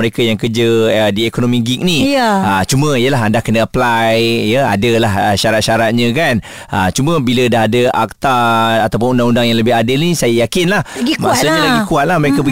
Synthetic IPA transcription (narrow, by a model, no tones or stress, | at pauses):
əɾekajaŋkərd͡ʒəədiekonomĩɡik̚niət͡ʃumə̃ijəlaɦandaʔkənəəplajjəa̰dəlahəʃaɾat̪̚ʃaɾat̪̚ɲə̃kan | ə̰t͡ʃumə̃bilədaɦadəa̰k̚t̪aat̪awpʊnundaŋundaŋjaŋləbɪɦadɪlnisajajakɪnlahɡimasəɲələɡikuat̪̚lahməɾekabə